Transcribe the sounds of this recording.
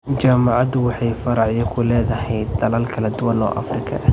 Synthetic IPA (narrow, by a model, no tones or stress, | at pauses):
t͡ʃaːmɑʕɑd̪ʊwɑħɑjfɐɾɑʕjɔkʰʊlɛːðɐhɛjd̪ɐlaːlkʰɐlɐd̪ʊwɐnɔ̰ːʔɐ̰frɪkʰɐ̰ʔɐ